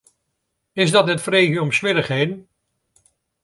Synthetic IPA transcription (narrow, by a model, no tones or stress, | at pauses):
ɪzdɑtɛtfrejɣəɔmsʋɪləχɦejdən